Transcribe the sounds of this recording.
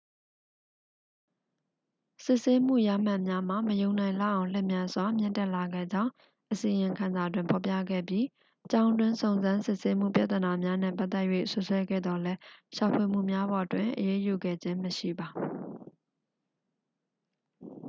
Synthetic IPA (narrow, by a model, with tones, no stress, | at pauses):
sɪ˦ʔse˦m̥ṵ˦˨ja̰˦˨m̥a˦˨ʔmja˦m̥a˨məjõ˨ʊ̃nã˨ɪ̃la̰˦˨ʔã˨ʊ̃l̥ɛ˦˨mjã˦nz̥wa˨m̥jɪ̃˦˨ntɛ˦ʔla˨ɡɛ̰˦˨d͡ʑã˦ʊ̃ | ʔəsi˨ɪ̃˨kʰã˨nza˨twɪ̃˨mpʰɔ˨pjä̰˦˨ɡɛ̰˦˨bji˦ | t͡ɕã˦ʊ̃ndwɪ̃˦nsõ˨ʊ̃nzã˦nsɪ˦ʔse˦mṵ˦˨pja̰˦˨t̪ə˨na˨mja˦nɛ̰̃˦˨pa˦t̪ːɛ˦ʔjwḛ˦˨sʊ˦ʔswɛ˦ɡɛ̰˦˨d̪ɔ˨lɛ˦ʃa˨pʰwe˨m̥ṵ˦˨mja˦bɔ˨twɪ̃˨ʔəje˦ju˨ɡɛ̰˦˨d͡ʑɪ̃˦məʃḭ˦˨ba˨